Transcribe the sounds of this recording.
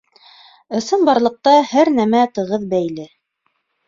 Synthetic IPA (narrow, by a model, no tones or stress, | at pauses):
ɤ̆sɤnbɑɾlˠɤ̆q̚t̪ɑhæɾnæmæt̪ɤ̆ʁɤðbæjlɘ